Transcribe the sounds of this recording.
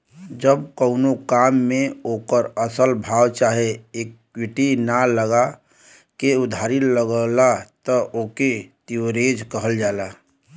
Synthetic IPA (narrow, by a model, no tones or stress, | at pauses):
d͡ʒəb̚kəʊnokaːmːẽokəɾəsəlbʱaːwt͡ʃaːɦeekːwiʈinaləɡa | keʊd̪ʱaːɾilːəɡəlat̪əʔoːket̪iwɾed͡ʒkəɦəld͡ʒaːla